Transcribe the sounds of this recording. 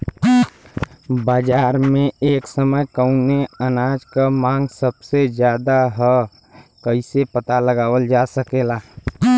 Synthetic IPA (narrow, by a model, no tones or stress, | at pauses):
baːd͡ʒaːɾmẽeːksəməjkəʊneənaːd͡ʒkamãːŋɡsəbsed͡ʒjaːd̪aɦɛ | kəɪsepət̪aləɡaːwəld͡ʒaːsəkeːlaː